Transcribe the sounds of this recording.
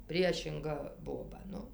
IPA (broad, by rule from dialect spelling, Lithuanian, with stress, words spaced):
ˈpʲrʲiɛʃʲɪŋɡɐ ˈboːbɐ ˈnʊ